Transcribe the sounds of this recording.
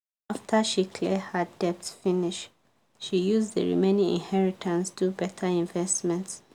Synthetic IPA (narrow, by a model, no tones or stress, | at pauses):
aftʰəʃikʰlɛdhədɛp̚tfiniʃ | ʃijuzðə̰ɹḭmẽnĩŋḭ̃nhɛɹitʰãnsdubɛtʰaĩɱvɛstmɛ̃nts